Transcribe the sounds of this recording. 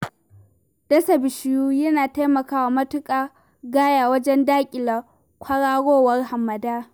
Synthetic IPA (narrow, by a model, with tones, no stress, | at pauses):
dɐ˦sɐ˨bɪ˨ʃɪ˨juː˦jɐ˦naː˨ta˦jmɐ˨kaː˦wa˨mɐ˦tʊ˦kʼaː˨ | ɡaː˦jaː˨wɐ˦d͡ʒɛ˦ndaː˦kʲʼɪ˨la˨ | kʷʰɐ˦ɽaː˦ɽoː˦wɐ˦rɦa˨mːɐ˨daː˦